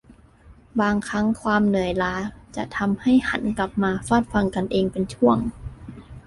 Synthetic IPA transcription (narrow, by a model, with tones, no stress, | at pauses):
baː˧ŋkʰa˦˥ŋkʰwaː˧mnɯ˨˩˦əjlaː˧˥t͡ɕa˨˩t̪ʰa˧mha˥˩jha̰˩˦nkla˨˩p̚maː˧faː˥˩t̪̚fa˧ŋka˧nʔeː˧ŋpe˧nt͡ɕʰu˥˩əŋ